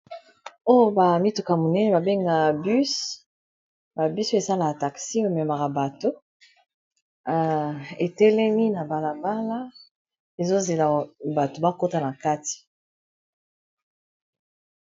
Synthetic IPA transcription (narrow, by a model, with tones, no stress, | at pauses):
o˦jo˦ba˨mi˦to˨ka˨mo˨nɛ˦nɛ˦ba˨be˦ŋɡa˨by˦s | ba˨bi˦so˦e˨sa˦la˨a˨ta˨ksi˦o˦e˨mɛ˨ma˨ʁa˨ba˨to˦˨ | e˨tɛ˦lɛ˦mi˦na˨ba˨la˨ba˦la˦ | e˨zo˦ze˨la˨ba˨to˨ba˦ko˦ta˦na˨ka˦ti̥˨